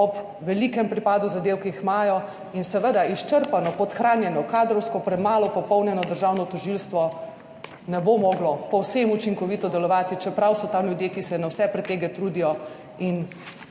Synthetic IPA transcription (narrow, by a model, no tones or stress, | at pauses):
ɔb | ʋɛlikɛmpɾipaːd̪uzad̪eːwkiixmaːjɔ | insɛʋəd̪aiʃt͡ʃəɾpanɔpɔt̪xɾaːnjɛnɔkaːd̪ɾɔwskɔpɾɛmaːlɔpɔpɔwnjɛnɔd̪əɾʒawnɔt̪ɔʒilst̪ʋɔ | nɛbomɔɡlɔpɔwsemut͡ʃiŋkɔʋit̪ɔd̪ɛlɔʋaːt̪it͡ʃɛpɾawsɔt̪amljud̪jekisɛnawsɛpɾɛt̪ːeːɡɛt̪ɾud̪ijɔ | in